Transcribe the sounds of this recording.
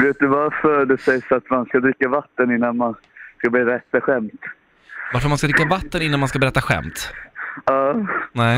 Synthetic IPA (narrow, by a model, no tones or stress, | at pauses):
veːt̪̚d̪ɵvaɾfœd̪ɛsɛjsɔat̪manskad̪ɾɪkːavat̪ːənɪnːanman | skabɛɾɛt̪ːaɧɛmt̪ | vaɾfœɾmanskad̪ɾɪkːavat̪ːənɪnːanmanskabɛɾɛt̪ːaɧɛ̰mt̪ | ɑːnɛ